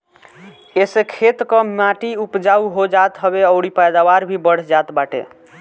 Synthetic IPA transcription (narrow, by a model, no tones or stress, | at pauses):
esekʰet̪kɔmaʈiupd͡ʒauɦod͡ʒat̪ɦəbeəʊɽipajd̪awaɾbʱibəɽ̤d͡ʒat̪baʈḛ